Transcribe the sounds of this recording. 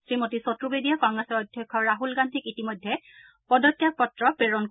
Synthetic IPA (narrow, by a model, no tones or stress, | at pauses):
sɹimotisɔtɹubedijakɔŋɡɹɛsɔɹɔjdʱjɔkʰːɔɹaɦulɡandʱikitimɔjdʱːɛ | pɔdɔkːjak̚pɔtɹɔpɹeɹɔn